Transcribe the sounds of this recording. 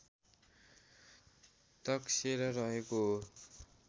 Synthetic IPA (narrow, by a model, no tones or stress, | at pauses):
t̪ʌkseɾʌrʌɦeko